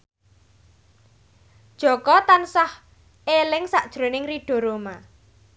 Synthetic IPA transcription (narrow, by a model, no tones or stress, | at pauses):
d̥ʒ̥ɔ̤kɔt̪ansah | elɪŋsaʔd̥ʒ̥ɾo̤nɪŋriɖ̥ɔ̤ɾoma